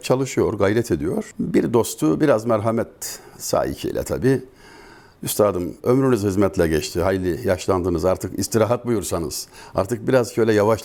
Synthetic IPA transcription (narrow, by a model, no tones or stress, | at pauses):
t͡ʃʰalˠɯʃɯjo̞ɾɡajɾɛt̪ʰe̞d̪ijo̞ɾ̥biɾd̪o̞st̪ʰubiɾazmɛɾɦamɛt̪sa̰ːḭcʰḭːlʲɛ̰t̪ʰa̰biː | yst̪ʰaːd̪ɯmø̞mɾynyzhizmɛt̪ʰlʲɛɟɛt͡ʃt̪ʰiɦajlʲijaʃlˠand̪ɯnɯzaɾt̪ʰɯkist̪iɾaːɦat̪̚bujuɾsanɯz̥a̰ɾt̪ʰɯk̚biɾazcʰøjlʲɛjavaʃ